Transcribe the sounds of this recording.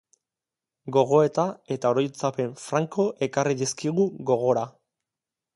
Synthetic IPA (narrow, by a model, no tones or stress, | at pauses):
ɡo̞ɣ̞o̞e̞t̪ae̞t̪aoɾo̞jt͡sape̞ɱfɾaŋko̞ʔe̞kariðiskiɣuɣo̞ɣo̞ɾa